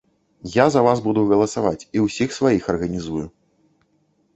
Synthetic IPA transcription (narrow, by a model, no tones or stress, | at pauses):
jazɐvazbud̪uɣɐlˠɐsavat͡sʲiwsʲixsvajixɐrɣɐnʲizuju